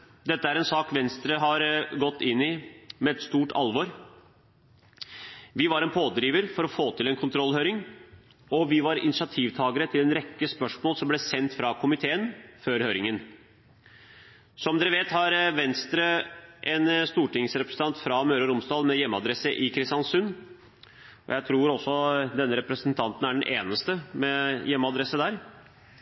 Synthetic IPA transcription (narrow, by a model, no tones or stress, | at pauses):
d̪ɛt̪ːəæɾɛnsɑːkʋɛnst̪ɾəɦɑɾɡɔt̪ːɪnːɪmɛɛt̪st̪uːʈɑ̰lʋɔɾ | ʋɪʋɑɾɛnpʰoːd̪ɾiːʋəɾfɔɾɔfoːt̪ʰɪlɛnkʰʊnt̪ʰɾɔlhøːɾɪŋ | ɔʋɪʋɑɾɪ̰nɪʂɑt̪ʰiːʋt̪ʰɑːɡəɾət̪ʰɪlɛnɾɛkːəspœʂmoːlsɔmblɛːsɛnt̪fɾɑkʰʊmɪt̪ʰeːənføːɾhøːɾɪŋən | sɔmd̪ɛɾəʋeːt̪hɑɾʋɛnst̪ɾəʔɛnst̪uːʈɪŋsɾɛpɾəsəɑnt̪fɾɑmøːɾəɾʊmsd̪ɑːlmɛjɛmːəɑd̪ɾɛsːəʔɪkʰɾɪst̪jɑnsʉnː | ɔ̰jæɪt̪ʰɾuːɾɔsːɔd̪ɛnːəɾɛpɾəsənt̪ʰɑnt̪n̩æɖɛnʔeːnəst̪əmɛjɛmːɑd̪ɾɛsəd̪æːɾ